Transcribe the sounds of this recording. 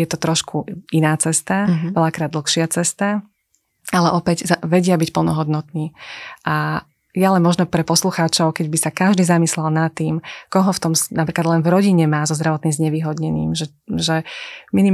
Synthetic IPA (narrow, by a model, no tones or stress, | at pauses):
jɛt̪ɔt̪ɾɔʃkuinaːt͡sɛst̪aʋɛʎakɾaːd̪l̩ˠxʃɪat͡sɛst̪a | alɛʔɔpɛɟzʋɛɟɪabicpl̩nɔɦɔd̪nɔt̪niːʔa | jalɛnmɔʒnɔpɾɛpɔsluxaːt͡ʃɔʊkɛɟbisakaʒd̪iːzamislɛlnat̪ːiːmkɔɦɔft̪ɔmsnapɾiːklad̪lɛnvɾɔɟiɲɛmaːzɔzd̪ɾaʋɔt̪nimzɲɛʋiːɦɔd̪ɲɛnḭːmʒɛ | ʒɛmini